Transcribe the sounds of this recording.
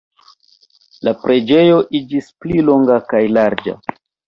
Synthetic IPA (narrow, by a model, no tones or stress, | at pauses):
lapɾe̞d͡ʒe̞jo̞ʔid͡ʒisplilo̞ŋɡakajlaɾd͡ʒa̰